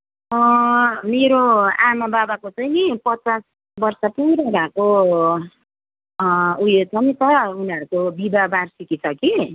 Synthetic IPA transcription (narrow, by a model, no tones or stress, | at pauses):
ʌmeɾoamababakot͡sajnipʌt͡sas | bʌrsʌpuɾabako | ujet͡sʰʌnit̪ʌuniʌɾukobibabarsikit͡sʰʌki